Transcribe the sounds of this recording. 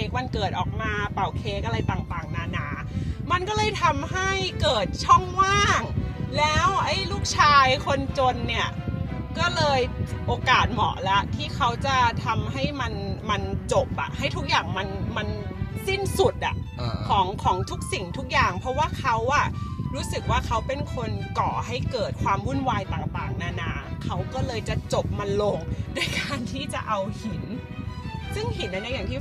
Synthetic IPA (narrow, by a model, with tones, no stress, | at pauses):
eː˦˥k̚ma˧nkɤː˨˩t̪̚ʔɔː˨˩k̚maː˧pa˨˩wkʰeː˦˥k̚ʔa˧la˧jt̪a˨˩ŋt̪aː˨˩ŋnaː˧naː˨˦˥ | ma˧nkɔː˥˩lɤː˧jt̪ʰa˧mɦa˥˩jkɤː˨˩t̪̚t͡ɕʰɔ˥˩ŋmaː˥˩ŋ̚lɛː˦˥wʔa˦˧˥jluː˥˩k̚t͡ɕʰaː˧jkʰo˧nt͡ɕo˧nːi˥˩ɐkɔː˥˩lɤː˧jʔoː˧kaː˨˩t̪̚mɔ̰˨˩˦la˦˥ʔt̪ʰiː˥˩kʰa˦˥wt͡ɕa˨˩t̪ʰa˧mɦa˥˩jma˧nma˧nt͡ɕo˨˩p̚ʔa̰˨˩ʔha˥˩jt̪ʰu˦˥k̚jaː˨˩ŋma˧nma˧nsi˥˩nsu˨˩t̪̚ʔa̰˨˩ʔkʰɔː˩˦ŋkʰɔː˩˦ŋt̪ʰu˦˥k̚si˨˩ŋt̪ʰu˦˥k̚jaː˨˩ŋpʰɾɔ˧˦˥waː˥˩kʰa˦˥wʔa˧˩ɾuː˦˥sɯ˨˩k̚waː˥˩kʰa˦˥wpe˧nkʰo˧nkɔː˨˩ɦa˥˩jkɤː˨˩t̪̚kʰwaː˧mwu˥˩˨nwaː˧jt̪aː˨˩ŋp̪aː˨˩ŋna˦˥˩na˦˥kʰa˦˥wkɔː˥˩lɤː˧jt͡ɕa˨˩t͡ɕo˨˩p̚ma˧nlo˧ŋdoː˥˨jkaː˧nt̪ʰiː˥˩t͡ɕa̰˨˩ʔa˧whi˨˩˦n | sɯ˥˩ŋhi˨˩˦nʔa˧na˦˥jaː˨˩ŋt̪ʰi˥˩